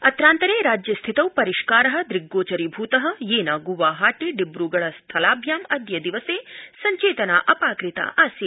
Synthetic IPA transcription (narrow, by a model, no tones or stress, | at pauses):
ɐt̪ɾaːnt̪ɐɾeːɾaːd͡ʒjɐst̪ʰit̪ɐwpɐɾiʂkaːɾɐɦɐ̆d̪ɾiɡːoːt͡ʃɐɾibʱuːt̪ɐɦɐ̆jeːnaːɡuʋaːɦaːʈiɖibɾuːɡɐɭɐst̪ʰɐlaːbʱjaːmɐd̪jɐd̪iʋɐseːsɐɲt͡ʃeːt̪ɐnaːʔɐpaːkɾit̪ɐ̰ʔaːsjɐ